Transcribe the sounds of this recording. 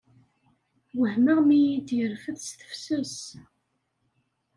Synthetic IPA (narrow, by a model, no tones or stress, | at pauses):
wəhməʁmijid̪jəɾfəθsθə̥fsəs